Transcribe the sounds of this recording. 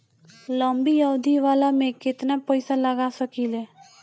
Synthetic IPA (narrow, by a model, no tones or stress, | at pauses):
ləmbijəɦud̪iʋaːlamẽkɪt̪napəɪsaləɡasəkiːlɛː